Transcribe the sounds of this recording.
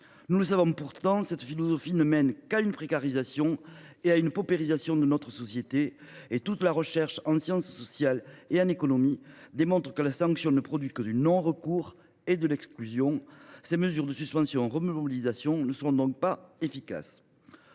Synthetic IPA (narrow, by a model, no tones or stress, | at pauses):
nuləs̬avɔ̃puʁt̪ɑ̃sɛt̪filɔzɔfinəmɛnkaynəpχekaʁizasjɔ̃ | eaynpɔpeʁizasjɔ̃d̪ənɔt̪χəsɔsjet̪eet̪ut̪laʁəʃɛʁʃɑ̃sjɑ̃ssɔsjaleɑ̃nekɔnɔmid̪emɔ̃t̪χə̥kəlasɑ̃ŋksjɔ̃nəpχɔd̪ɥikəd̪ynɔ̃ʁəkuʁ | ed̪əlɛksklyzjɔ̃seməzyʁd̪əsyspɑ̃sjɔ̃ɑ̃ʁəmoobilizasjɔ̃nəsəʁɔ̃d̪ɔ̃k̚paefika̰s